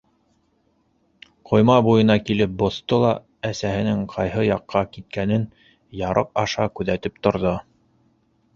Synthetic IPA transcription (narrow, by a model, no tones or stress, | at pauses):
qʰŏjmɑbujɤ̆nɑkilɘp̚bŏθt̪olˠɑ | æsæhɘ̆nɘŋqʰɑjɦɤjɑqːɑkit̪̚kænɘn | jɑɾʔɤ̰q̚ɑʃɑkʉðæt̪ɘp̚t̪ŏɾðo